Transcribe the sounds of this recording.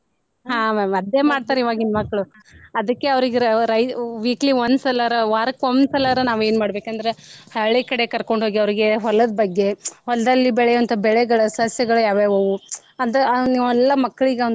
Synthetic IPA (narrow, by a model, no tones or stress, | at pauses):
ɦaːmamɐd̪jeːmaːɖt̪aːɾiʋaːɡinmɐkːɐɭu | ɐd̪ɐkːe̞ɐʋɾiɡeɾɐjʋiːkɐliond̪sɐlaɾɐʋaːɾɐkond̪sɐlaːɾɐnaːʋue̞ːnmaːɽbe̞ːkɐnd̪ɐɾehɐɭikɐɽe̞kɐɾko̞ɳɖɦoːɡiɐʋɾiɡe̞ɦɔlːɐd̪ɐbɐɡːe̞ɦɔlɐd̪ɐlːibɛɭejuɐnt̪ʰɐbɛɭeɡɐɭɐsɐɦɐsjɐɡɐɭɐjaːʋeʋoːɡu | ɐd̪ɐniɛlːɐmɐkːɐɭiɡeɐ